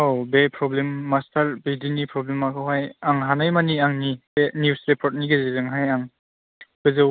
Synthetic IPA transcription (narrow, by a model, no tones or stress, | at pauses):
owbepʰɾɔblemːastʰaɾbidinipʰɾɔblemakʰawɦajaŋɦanajmaniaŋnibenjusɾepʰɔɾt̚niɡezizɯŋɦajaŋ | ɡ̥ɯzɯ